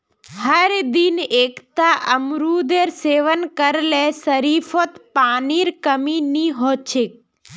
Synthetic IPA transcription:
ɦəɾd̪ineːkt̪aʔəmɾud̪eɾseːʋənkəɾlesəɾiːfʰot̪paːniɾkəminiɦoːt͡ʃʰek̚

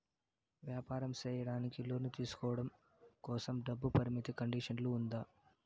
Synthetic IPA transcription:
ʋjaːpaːɾɐmt͡ʃɛːjɐɽaːnikilo̞ːnut̪iːsu̥kɔːʋɐɽɐm | kɔːsɐmɖɐbːupɐɾimit̪ikɐɳɖiːʂɐnluːnd̪aː

